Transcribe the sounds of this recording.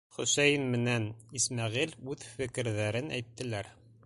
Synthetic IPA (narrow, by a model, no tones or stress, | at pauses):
χɵ̆sæjɘnmɘ̆nænismæʁilʉðfɘ̆kɘ̆ɾðæɾɘnæ̰jt̪ːɘ̆læɾ